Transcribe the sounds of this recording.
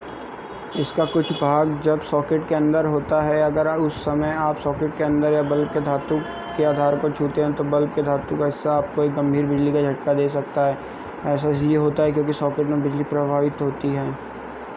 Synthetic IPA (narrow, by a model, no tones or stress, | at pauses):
ɪskakʊt͡ʃʰbʱaːɡd͡ʒɐbsɔːkeʈkeɐ̃nd̪əɾɦoːt̪aɦɛɐɡəɾʊsːɐməjaːpsɔːkɪʈ̚keɐ̃nd̪əɾjabɐlb̚ked̪ʱaːt̪ũk | kːeaːd̪ʱaːɾkot͡ʃʰuːt̪eɦɛ̃t̪obɐlb̚ked̪ʱaːt̪ũkɛːsaaːp̚koeːk̚ɡɐ̃mbʱiːɾbɪd͡ʒlikad͡ʒʱɐʈkad̪eːsɐk̚t̪aɦɛː | ɛːsaɦijeɦoːt̪aɦɛkjõːkisɔːkeːʈmebɪd͡ʒlipɾɐbʱaːʋɪt̪ɦoːt̪iɦɛː